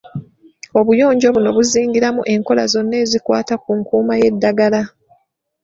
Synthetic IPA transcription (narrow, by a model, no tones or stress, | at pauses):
o̞βujo̞ːɲɟo̞βuno̞βuziːŋɡiɾamuʔe̞ŋko̞la̰zo̞nːe̞ːzikwaːtakuŋkuːmaje̞dːaɡala